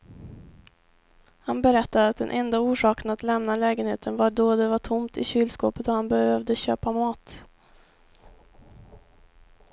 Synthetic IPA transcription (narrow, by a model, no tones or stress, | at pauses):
hanbɛɾɛt̪ːad̪əat̪̚d̪ɛ̰nʔɛnd̪auːʂɑːkənat̪lɛmnalɛːɡənheːt̪ʰənvaɖɔd̪ɛvaʈʰʊmt̪ɪ̰ɕyːlskoːpət̪ɔhanbɛhøːvd̪əɕøːpamɑːt̪